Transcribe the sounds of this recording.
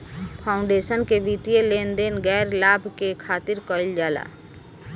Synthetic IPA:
pʰaːʊ̃ɳɖesənkeʋit̪ijelend̪enɡɛːɾlaːbʱkekʰaːt̪ɪɾkəild͡ʒaːla̰ː

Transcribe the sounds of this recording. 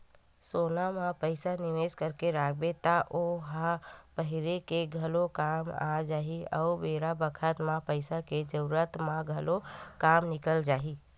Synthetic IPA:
sonamãpəɪsaniʋeskəɾkeɾaɡbet̪aʔoɦãpəɦiɾekeɡʱəlokama̰d͡ʒaɦiə̰ubeɾabəkʰət̪mãpəɪsaked͡ʒəuɾət̪mãɡʱəlokamnikəld͡ʒaɦi

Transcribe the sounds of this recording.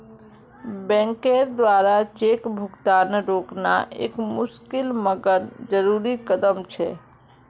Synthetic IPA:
bɛ̃ːŋkeɾd̪ʋaːɾat͡ʃekbʱʊɡt̪aːnɾoːkna̰ʔḛːkmʊʃkɪlməɡəɾd͡ʒəɾuːɾikəd̪əmt͡ʃʰɛ̰

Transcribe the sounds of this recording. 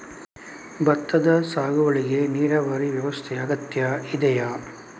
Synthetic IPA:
bɐt̪ːɐd̪ɐsaːɡuʋɐɭiɡeniːɾɐʋɐɾiʋjɐʋɐst̪ʰɛɐɡɐt̪jɐid̪ɛja

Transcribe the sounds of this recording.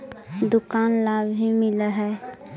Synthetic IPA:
d̪ʊkaːnlaːbɦimɪləɦɛ

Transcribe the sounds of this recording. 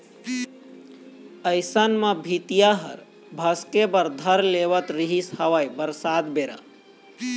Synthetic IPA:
əɪsənməbʱit̪ijaɦə̰ɾ | bʱəskebəɾd̪ʱəɾleʋət̪ɾiɦishəʋajbəɾsaːd̪beɾa̰

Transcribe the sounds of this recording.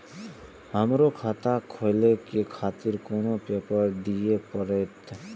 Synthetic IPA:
həmɾokʰaːt̪akʰojlekekʰaːt̪ɪɾkoːnopeːpəɾd̪ijepəɾeːt̪

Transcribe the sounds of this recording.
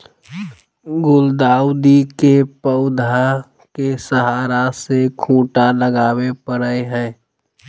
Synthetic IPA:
ɡʊld̪aːʊd̪ikepəʊd̪ʱa | kesəɦaːɾasekʰũːʈaləɡaːwepəɾəeɦɛ̃ː

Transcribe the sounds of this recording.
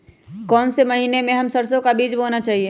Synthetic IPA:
kɔːnseməɦiːnemẽɦɐmsəɾsõkabiːd͡ʒboːnat͡ʃaːɦie

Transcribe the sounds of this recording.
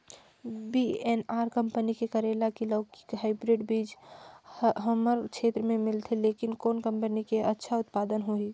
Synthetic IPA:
biːeːnaːɾkɐ̃mpənikekɐɾeːlakiləːki̥kɦaːɪbɾeːɖbiːd͡ʒ | ɦəməɾkʃʰeːt̪ɾəmẽmɪlt̪ʰeleːkɪnkoːnkɐ̃mpənikeʔɐtːʃʰaʊt̪paːd̪ənɦoːiː

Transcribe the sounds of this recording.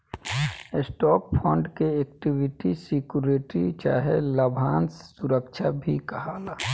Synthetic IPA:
sʈɔːppʰɔ̃ːɳɖkeeːkʈibɪʈisikjuɾeːʈɾit͡ʃaːɦeləbʱaːnssuɾəkt͡ʃʰabʱikəɦaːlaː

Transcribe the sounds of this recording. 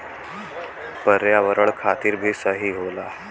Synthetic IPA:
pəɾjaʋəɾəɭkʰat̪iːɾbʱiːsəɦiːɦola

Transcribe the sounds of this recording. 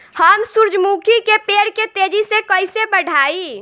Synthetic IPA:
həmsuɾd͡ʒmukʰikepeɾket̪ed͡ʒisekəɪsebəɽʱai

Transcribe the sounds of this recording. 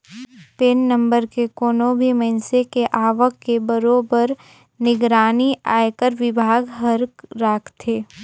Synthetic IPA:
peːnːɐ̃mbəɾkekoːnobʱimɐɪnsekeʔaːʋəkːebəɾoːbəɾ | nɪɡɾaːnia̰ːjkəɾʋɪbʱaːɡɦəɾkɾaːkʰt̪ʰeː

